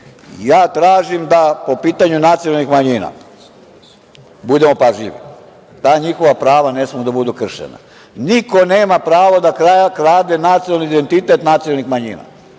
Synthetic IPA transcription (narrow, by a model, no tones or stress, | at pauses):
jaːt̪ɾaːʒimd̪apo̞piːt̪aɲunat̪sionalnixmaɲiːna̰ | bud̪e̞mo̞paʒʎḭʋḭ | t̪aːɲixo̞ʋapɾaːʋane̞smiud̪abud̪ukr̩ʃḛna̰ | niko̞ne̞ːmapɾaːʋod̪akɾajakɾaːd̪enat̪siolniid̪e̞nt̪it̪e̞t̪nat̪sioalnixmaɲḭːna̰